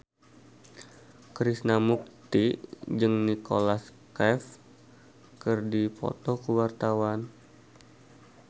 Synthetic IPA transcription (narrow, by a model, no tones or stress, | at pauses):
kɾisnamuk̚t̪id͡ʒɨŋnikolaskɛf | kɨrdipɔ̰t̪ɔkuwart̪awan